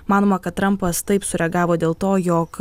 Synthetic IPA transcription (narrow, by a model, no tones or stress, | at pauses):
mɑːnoːmɐkɐt̪̚t̪ːɾɐmpɐst̪ɐɪpsʊɾʲɛɡɑːʋoːd̪ʲeːlˠt̪oːjoːk